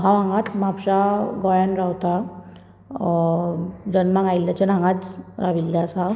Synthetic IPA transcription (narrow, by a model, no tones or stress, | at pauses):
ɦaʋãŋɡat̪mapɕaɡɔjanɾawt̪a | d͡ʑənmãŋɡailːjat͡ɕanãŋɡat͡sɾaʋilːjasa